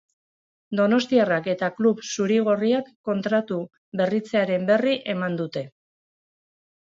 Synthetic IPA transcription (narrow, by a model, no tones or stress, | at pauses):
d̪o̞no̞st̪iarake̞t̪akluβsuɾiɣ̞oriakːo̞nt̪ɾat̪u | be̞rit͡se̞aɾe̞mbe̞riʔe̞mand̪ut̪e̞